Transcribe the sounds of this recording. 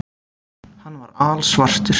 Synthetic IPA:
hanːvaɾaːlsvar̥t̪ʏɾ̥

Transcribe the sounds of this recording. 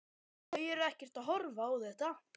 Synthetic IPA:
œjɛɾɛhcɛr̥t̪aðɦɔɾvaawθɛht̪a

